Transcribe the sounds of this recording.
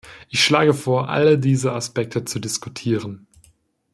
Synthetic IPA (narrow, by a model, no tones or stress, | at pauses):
ʔɪçʃlaːɡəfoːɐʔa̰lədiːzəaspɛk̚tʰət͡sudɪskutʰiːʁ̞ən